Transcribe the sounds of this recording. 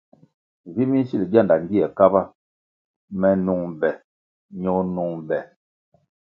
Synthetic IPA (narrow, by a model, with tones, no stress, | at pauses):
vi˦mi˦si˦˨li˨bja˦˨nda˨ŋ˦ɡi˦ɛ˨ka˦ba˦ | mɛ˨nu˦˨ŋbɛ˨ | ɲo˦nu˦ŋbɛ˨